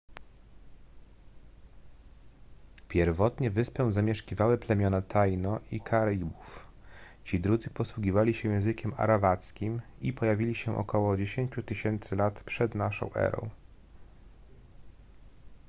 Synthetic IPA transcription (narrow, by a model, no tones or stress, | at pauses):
pʲjɛɾvɔt̪ɲɛvɘspɛw̃zamʲjɛʂkʲivawɛplɛmʲjɔnat̪ʰajnɔʔikʰaɾibuf | t͡ɕid̪ɾud̪zɘpɔswuɡʲivalʲiɕɛjɛ̃w̃zɘkʲɛma̰ɾavat̪skʲimipɔjavʲilʲiɕɛʔɔ̰kɔwɔd͡ʑeɕeɲt͡ɕut̪ɘɕɛnt̪sɘlat̪pʂɛd̪naʂɔ̰̃w̃ʔɛ̰ɾɔ̰̃w̃